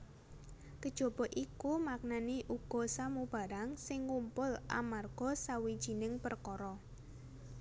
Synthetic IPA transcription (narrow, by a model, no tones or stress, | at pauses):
kəd̥ʒ̥o̤b̥ɔ̤ʔikumak̚naniʔuɡ̥ɔ̤samub̥a̤ɾaŋsɪŋːumpʊlʔa̰marɡ̥ɔ̤sawid̥ʒ̥i̤nɪŋpərkɔɾɔ